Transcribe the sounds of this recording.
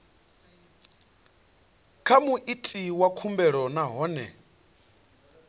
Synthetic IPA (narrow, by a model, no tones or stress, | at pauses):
kʰamuʔitʼiwakʰumbɛɺɔnaɦɔːnɛ̰